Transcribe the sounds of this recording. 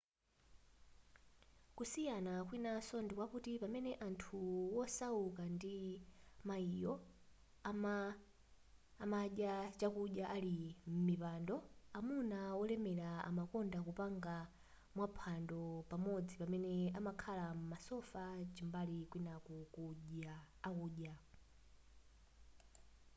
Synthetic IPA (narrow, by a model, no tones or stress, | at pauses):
kusijanak̬winasɔndikwakutipamɛnɛʔantʰuwɔsaukandimaijɔ | maɗjat͡ʃakuɗjaʔalim̩mipandɔamunawɔlɛmɛɾaa̰makɔndakupaŋɡa | mwapʰandɔpamɔd͡zipamɛnɛamakʰalam̩masɔfat͡ʃimbalikwinakukuʄaː | kuːɗja